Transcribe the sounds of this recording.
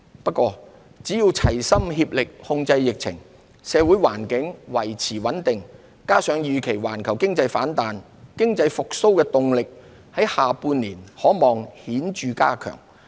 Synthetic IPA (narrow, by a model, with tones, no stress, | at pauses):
pɐ˥t̚kʷɔː˧ | t͡si˨˥jiː˧wt͡sʰɐ˨˩jsɐ˥mɦiː˧p̚lɪ˨k̚hʊ˧ŋt͡sɐ˧jːɪ˨k̚t͡sʰɪ̰˨˩ŋ | sɛː˨˧wuː˨˥jwaː˨˩nkɪ˨˥ŋwɐ˨˩jt͡sʰiː˨˩wɐ˨˥nt̪ɪ˨ŋ | kaː˥sœː˨˧ŋjyː˨˧kʰe˨˩jwa̰ː˨˩nkʰɐ˨˩wkɪ˥ŋt͡sɐ˧jfaː˨˥nt̪aː˨n | kɪ˥ŋt͡sɐ˧jfʊ˨k̚so˥wkɛː˧t̪ʊ˨ŋlɪ˨k̚ | hɐ˨˥jhaː˨puː˧nliː˨˩nhɔː˨˥mɔː˨ŋhiː˨˥nt͡ʃyː˨kaː˥kʰœ̰ː˨˩ŋ